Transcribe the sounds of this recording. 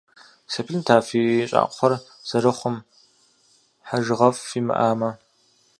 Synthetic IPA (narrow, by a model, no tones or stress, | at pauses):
sɐpʰilntʰaːfiːɕʼa̰ːʔʼʷχʷɔrz̥ɐɾɨχʷʊm | ħaʒʁɐfːiːmɨ̰ʔaːmɐ